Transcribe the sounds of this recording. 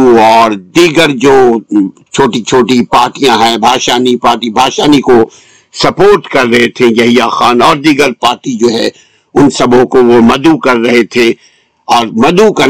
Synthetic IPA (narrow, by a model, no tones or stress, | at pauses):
ɔːɾd̪iːɡəɾd͡ʒoːt͡ʃʰoːʈit͡ʃʰoːʈipaːɾʈijãɦɛ̃bʱaːʃaːnipaːɾʈibʱaːʃaːniko | sɐpoːɾʈkɐɾːɐɦet̪ʰẽjɐɦijaːxaːnɔːɾd̪iːɡəɾpaːɾʈid͡ʒoːɦɛ̰̃ | ʊnsɐbʱõkoʋomɐd̪ukɐɾːɐɦet̪ʰẽ | ɔːɾmɐd̪ukɐ